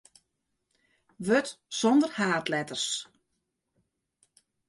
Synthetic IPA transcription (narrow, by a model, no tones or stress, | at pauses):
ʋøtsɔndərhaːtlɛtərs